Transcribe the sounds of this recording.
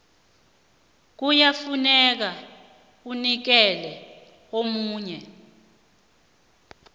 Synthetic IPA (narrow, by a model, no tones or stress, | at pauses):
k̬ujafunɛk̬a | k̬unik̬ɛlɛ | omuːɲɛ